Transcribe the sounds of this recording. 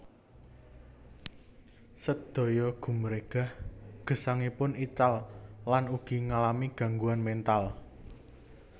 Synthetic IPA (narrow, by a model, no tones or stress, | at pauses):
səd̪̥ɔ̤jɔɡ̥ṳməɾeɡ̥a̤hɡ̥ə̤saŋipʊnit͡ʃallanuɡ̥i̤ŋalamiɡ̥ä̤ŋɡuanmɛnt̪al